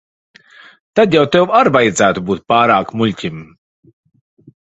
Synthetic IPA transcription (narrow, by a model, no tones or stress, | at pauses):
t̪ad̪jawt̪ewaɾvajd̪zæːt̪ubuːt̪̚paːɾaːkmulʲcʲim